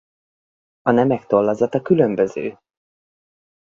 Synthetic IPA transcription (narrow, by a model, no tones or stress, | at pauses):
ɒnɛmɛkt̪o̞lːɒzɒt̪ɒkylømbø̞zø̰ː